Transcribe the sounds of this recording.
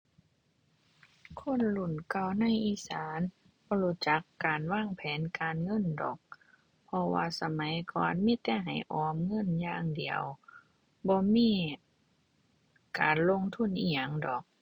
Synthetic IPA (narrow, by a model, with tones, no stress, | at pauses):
kʰo˧˥˨nlu˧˩˨nka˧˩wna˧˥˨jʔiː˧˥saː˨˦n | bɔː˧lu˧˩t͡ɕa˧˦kːaː˨˩nwaː˧˥˨ŋpʰɛː˨˦nkaː˨nŋɤ˧˥˨ndɔ̰ː˨˩˦k̚ | pʰɔ˧wa̰ː˧sa˧ma˨˦jkɔː˨nmiː˧˥˨t̪ɛː˧˩ɦa˨˩jʔɔː˨˧˦mŋɤ˧˥˨njaː˧˨ŋdi˨˩əw | bɔː˧˦miː˧˥˨ | kaː˨nlo˧˥˨ŋt̪ʰu˧˥˨nʔiː˧˩ɲa˧˩ŋdɔː˨˩k̚